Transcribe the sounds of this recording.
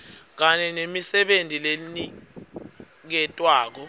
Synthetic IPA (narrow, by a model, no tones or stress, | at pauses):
k̬aɲɛnemisɛɓentʼilelini | k̬ɛtʼwaːk̬ɔ